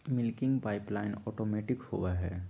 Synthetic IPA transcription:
mɪlkɪ̃ŋɡpaːɪplaɪnɔːʈoːmeːʈɪkho̰ːʋaɦɛ̰ː

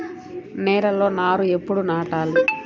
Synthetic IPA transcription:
nɛːɾɐlo̞ːnaːɾue̞pːuɽunaːʈaːli

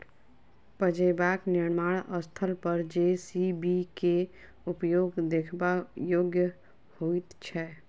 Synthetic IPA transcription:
pəd͡ʒebaːknɪɾmaːɽəst̪ʰəlpəɾd͡ʒesibike | upjoːɡd̪ekʰbajoːɡjə | hoit̪t͡ʃʰɛː

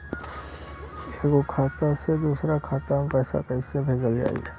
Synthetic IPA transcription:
eːɡokʰaːt̪ased̪uːsɾakʰaːt̪ampɛːsa̰kaɪsebʱeːd͡ʒəld͡ʒa̰ːḭ

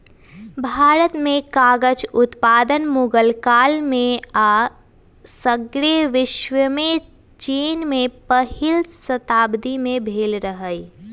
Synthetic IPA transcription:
bʱaːɾət̪mẽkaːɡəd͡ʒʊt̪paːd̪ənmuɡəlkaːlmẽa | səɡɾeʋɪʃwəme | t͡ʃiːnmẽpəhɪlsət̪aːbd̪imẽbʱeːlɾəɦəi

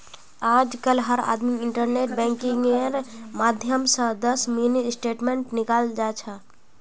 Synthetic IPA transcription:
aːd͡ʒkəlɦəɾa̰ːd̪miɪɳʈəɾneːʈ̚bɛ̃ːŋkɪ̃ŋɡeɾmaːd̪ʱjəmsə̃d̪əsminisʈeːʈmẽːɳʈnɪkaːld͡ʒaːt͡ʃʰaː

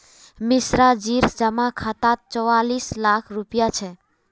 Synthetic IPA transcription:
misɾad͡ʒiɾsd͡ʒəmakʰat̪at̪̚t͡ʃɔwalislakʰɾupijat͡ʃʰɛ

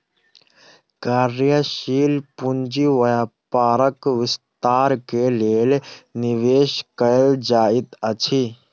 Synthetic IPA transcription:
kaːɾjəʃiːlpund͡ʒiʋəjapaːɾəkʋɪst̪aːɾkeleːlniʋeːʃkəeld͡ʒaːit̪ət͡ʃʰi

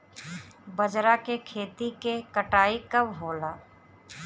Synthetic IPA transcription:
bəd͡ʒɾakekʰeːt̪ikekəʈaːikɐbɦoːlaː

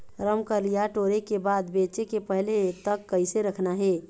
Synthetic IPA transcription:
ɾəmkəɾlijaʈoɾekebad̪bet͡ʃekepəɦlet̪əkːəɪseɾəkʰnaɦe

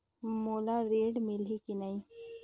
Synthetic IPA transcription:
moːlaɾeːɖmɪlɦikinaĩ

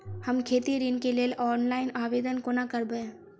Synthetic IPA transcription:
həmkʰeːt̪iɾinkelelʔɔːnlaːɪnaːʋeːd̪ənkonakəɾbəe

